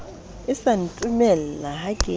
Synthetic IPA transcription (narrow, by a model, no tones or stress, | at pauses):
ɪsantʼumɛlalahaɡ̥ʱe